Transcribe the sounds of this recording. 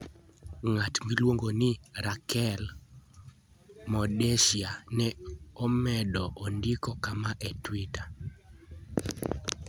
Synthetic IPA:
ŋatmilwoŋɡonɪɾakɛl | mɔdɛʃianɛɔmɛdɔʔondikɔkamaʔɛtwita

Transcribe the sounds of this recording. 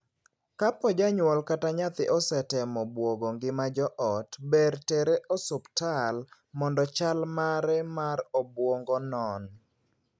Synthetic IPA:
kapɔd͡ʒaɲwɔlkataɲat̪ɪʔɔsɛtɛmɔbwoɡoŋɡɪmad͡ʒɔʔɔtbeɾteɾeʔɔsʊptal | mɔndɔt͡ʃalmaɾɛmaɾobwoŋɡɔnɔn

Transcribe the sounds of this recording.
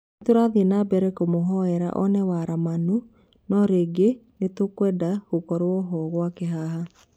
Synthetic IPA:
toɾaðenabɛɾɛkomoɦɔɛɾa̰ʔɔnɛwaɾamanu | nɔɾeːɡenetokwɛːdaɣokɔɾoɔɦɔɣwakeɦaɦa

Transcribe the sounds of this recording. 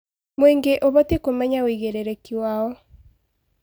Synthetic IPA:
mweːŋɡeʔoβɔtekomɛɲaoiɣeɾeɾekiwawɔ

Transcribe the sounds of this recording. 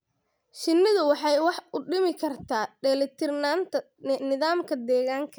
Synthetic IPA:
ʃɪnːɪðʊwɑħɑjwɑħʊɖɪmɪkʰɐrt̪ʰaːɖɛːlɛt̪ʰɪrnaːnt̪ʰɐ | nɪðaːmkʰɐd̪ɛːɣaːŋkʰɐ

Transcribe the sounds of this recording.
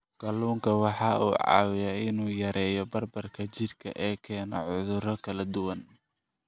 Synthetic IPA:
ɡ̥ɐluːŋkʰɐwɑħɑːuːʕɑ̰ːwɪjaɪnuːjɐɾɛːjɔbɐrbɐrkʰɐt͡ʃɪrkʰɐ̰ʔɛːkʰɛːnɔ̰ʕʊðʊɾɔkʰɐlɐd̪ʊwɐn

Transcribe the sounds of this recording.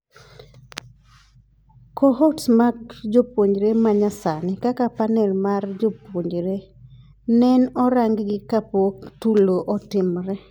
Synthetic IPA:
kɔɦɔtsmakd͡ʒopwoɲd͡ʒɾemaɲasanɪkakapanɛlmard͡ʒopwoɲd͡ʒɾe | nɛnɔɾaŋɡɡɪkapotuloʔɔtɪmɾɛ

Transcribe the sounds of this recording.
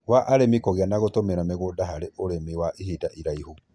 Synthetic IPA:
waʔaɾemikɔɣeanaɣotomeɾameɣoːdaɦaɾeʔoɾemiwaʔihidaʔiɾaihu

